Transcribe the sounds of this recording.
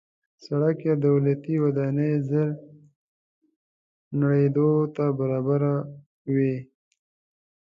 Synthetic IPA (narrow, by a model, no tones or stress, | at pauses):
saɽakjad̪awlat̪iwad̪ɑnezəɾ | naɽed̪ot̪abaɾɑbaɾa | we